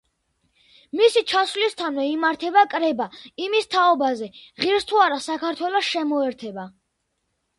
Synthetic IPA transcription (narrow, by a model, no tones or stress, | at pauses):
misit͡ʃʰaswlist̪ʰanvɛimaɾt̪ʰɛbakʼɾɛbaimist̪ʰaɔbazɛʁiɾst̪ʰuaɾasakʰaɾt̪ʰwɛlɔsʃɛmɔɛɾt̪ʰɛba